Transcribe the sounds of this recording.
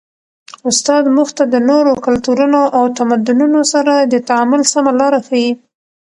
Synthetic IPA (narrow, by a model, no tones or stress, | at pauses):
ʊst̪ɑd̪muxt̪ad̪ənoɾokalt̪uɾunoʔawt̪amad̪ʊnunosaɾad̪ət̪aamʊlsamalɑɾaxawi